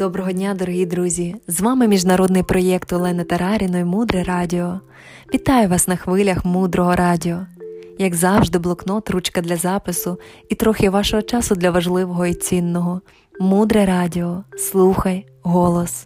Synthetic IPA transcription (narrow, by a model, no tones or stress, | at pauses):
d̪̥ɔbɾɔɦɔdʲnʲad̪ɔɾɔɦid̪ɾuzʲizʋɑmɪmʲiʒnɐɾɔd̪nɪjpɾɔjɛkt̪ʊlˠɛnɐt̪eɾɑɾʲinɔimud̪ɾɛɾɑdʲiɔ | ʋʲit̪ɑjʊʋɑsnɐxʋɪlʲɐxmud̪ɾɔɦɔɾʔɑdʲiɔjɐɡzɑwʒd̪ɪblˠɔknɔt̪ɾut͡ʃkɐd̪lʲɐzɑpɪsʊit̪ɾɔxʲɪʋɑʃɔɦɔt͡ʃɑsʊd̪lʲɐʋɐʒlˠɪʋɔɦɔit͡sʲinːɔɦɔ | mud̪ɾɛɾɑdʲiɔslˠuxɐj | ɦɔlˠɔs